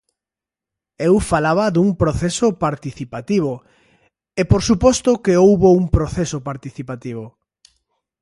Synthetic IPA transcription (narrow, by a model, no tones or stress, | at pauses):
ewfalaβɐðuŋpɾoθesopaɾt̪iθipat̪iβ̞o | epoɾsupɔst̪ʊkeowβouŋpɾoθesopaɾt̪iθipat̪iβ̞o